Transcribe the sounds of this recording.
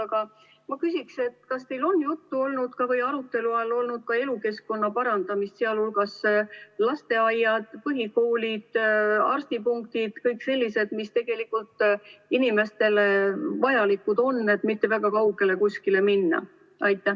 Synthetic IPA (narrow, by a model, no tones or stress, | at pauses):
ɑɡ̥ɑ | mɑkysʲikse̞t̪ːkɑst̪e̞jlo̞nːjut̪ːuo̞lnud̪̥kɑvɤjɑɾut̪ːˑe̞luɑlːo̞lnud̪̥̚kɑe̞luke̞skko̞nːɑpɑɾɑnd̪̥ɑmist̪seɑlhulɡ̥ɑslɑst̪e̞ɑjːɑd̪̥pɤɦiko̞ːlʲid̪̥ɑ̰rst̪ipuŋk̚t̪id̪̥kɤjkse̞lʲːise̞d̪̥mist̪e̞ɡ̥e̞likult̪ˑinime̞st̪e̞levɑjɑlikːud̪̥o̞nːe̞t̪ːˑmit̪ːe̞væɡ̥ɑkɑuwɡ̥e̞le̞kuskile̞minːɑ̰ | ɑjt̪ˑːæ